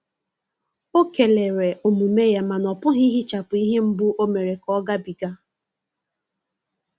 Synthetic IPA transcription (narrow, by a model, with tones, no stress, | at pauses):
o˦ke˨le˨ɾe˨ʔo˨mu˨me˦ja˦ma˨nɔ˨pʊ˦ɦi˦ɦi˦t͡ʃa˨pʊ˨i˦ɦe˦m̩˦bu˦ʔo˦me˨ɾe˨kɔ˦ɡa˦bi˨ɡa˦